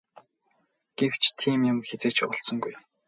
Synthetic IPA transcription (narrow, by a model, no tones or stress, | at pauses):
ɡ̥ew̥t͡ɕʰt̪ʰiːmjʊmxet͡seːt͡ɕʊɬsə̆ŋɡuj